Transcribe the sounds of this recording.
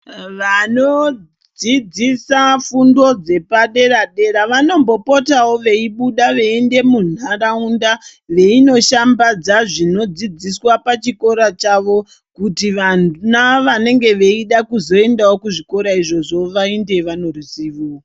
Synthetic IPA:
ʋano̞ | d͡zid͡zisafundo̞d͡ze̞paɗe̞ɾaɗe̞ɾaʋano̞mbo̞po̞tawo̞ʋe̞iɓuɗaʋe̞ende̞mun̤araundaʋe̞ino̞ʃambad͡zaʐino̞d͡zid͡ziswapat͡ʃiko̞ɾat͡ʃaʋo̞ | kutiʋanunaʋane̞ŋɡe̞ʋe̞iɗakuzo̞e̞ndawo̞kuʐiko̞ɾaiʐo̞ʐo̞ʋaende̞ʋano̞rusiːʋu

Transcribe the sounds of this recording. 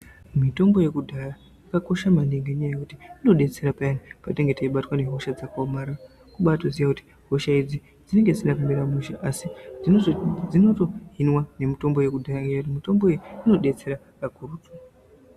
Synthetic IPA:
mito̞mbo̞je̞kudʱaja | akako̞ʃamaneŋɡeɲajajekutiino̞ɗe̞t͡se̞ɾapajanipateŋɡe̞taiɓatwane̞ɦo̞ʃad͡zakaomaːɾa | kuɓatozijakuti̥ | ɦo̞ʃaid͡zi | d͡zine̞ŋɡed͡zinapimeɾamuʃaʔasi | ino̞to̞ɦinwane̞mito̞mbo̞je̞kudʱajaŋɡeautimito̞mboijiino̞ɗe̞t͡se̞ɾa | pakuruːtu

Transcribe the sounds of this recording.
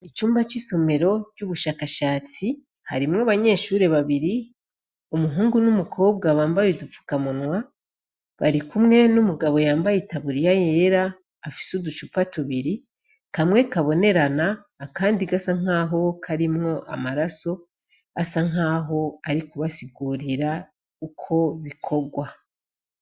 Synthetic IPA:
it͡ʃuːmbat͡ʃiso̞me̞ɾo̞t͡ʃuβuʃaːkaʃaːt͡si | ha̰ɾimŋaβaɲe̞ːʃuɾe̞βaβiɾi | umuɦuːŋɡunumukʰo̞ːb̚ɡaβaːmbajidufu̥kamunwa | βaɾikumŋe̞numuɡaβo̞jaːmbajitaβuɾijajeɾaː | fi̥sudut͡ʃupatuβiɾi | kamŋe̞kaβo̞ne̞ɾanaː | kaːndiɡasaŋ̥aːɦo̞kʰaɾimŋo̞ʔa̰maɾaso̞ | asaŋaːɦo̞aɾikuβasiɡuɾiɾa | ukʰo̞βikʰo̞bɡwa

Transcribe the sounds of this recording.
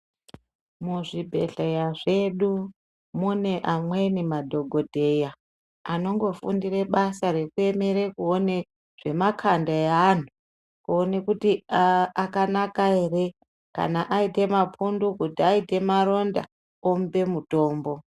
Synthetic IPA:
muʐibʱe̞ɬejaʐe̞ɗu | muneʔamwe̞nimadʱo̞ɡʱo̞dʱe̞ja | ano̞ŋɡo̞fundire̞ɓasaɾe̞kue̞me̞ɾekuone | ʐ̥e̞makʰandaean̤u | kuone̞kutiakanakae̞re̞ | ka̰naʔaite̞mapʰundukutiaite̞maɾo̞nda̰ | ombe̞muto̞ːmbo̞

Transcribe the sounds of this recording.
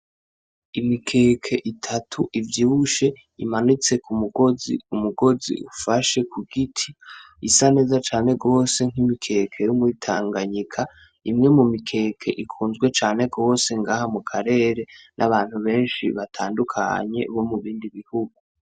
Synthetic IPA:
imikʰe̞ːkʰe̞ʔitʰatʰuʔivjiβuʃe̞ | imanit͡se̞kumuɡ̥o̞zḭumuɡo̞zḭʔufaʃe̞kʰuɡ̥itʰi | isane̞ːzat͡ʃaːne̞ɡo̞ːse̞ŋ̥himikʰe̞kʰe̞jumwitʰa̰ːŋɡaɲikʰa | imŋe̞mumikʰe̞ːkʰe̞̰ʔikʰuːnzɡwe̞t͡ʃaːne̞ɡo̞ːse̞ŋɡaːhamukʰaɾe̞ːɾe̞nʔaβaːn̥huβe̞ːnʃḭβatʰaːndukʰa̰ɲe̞̰βo̞muβiːndiβihuɡ̥u

